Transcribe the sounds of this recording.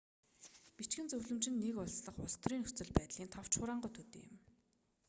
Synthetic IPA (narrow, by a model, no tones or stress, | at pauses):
pit͡ɕɡɘ̆nt͡sɵwɮɵ̆mt͡ɕɪ̆nːekʊɮsɮə̆χʊst̪riːŋxɵ̥t͡sɵ̆ɮpæːt̪ɮiːnt̪ʰaw̥t͡ɕχʊːɾaːɴɢʊːt̪ʰɵt̪ḛːjɪ̰̆m